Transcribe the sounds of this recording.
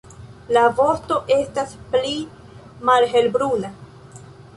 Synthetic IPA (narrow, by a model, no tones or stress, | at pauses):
lavo̞ɾto̞ʔe̞staspli | malɦe̞lbɾuna